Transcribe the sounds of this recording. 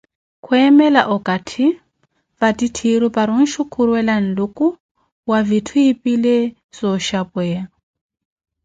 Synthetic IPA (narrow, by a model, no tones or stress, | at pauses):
kʰwɛmɛlaʔukʼatʰi | vatitʰiɾɔpaɾun̩ʃukʰuɾwɛlan̩lukʼu | wavitʰuipʼile | sɔʃapɛja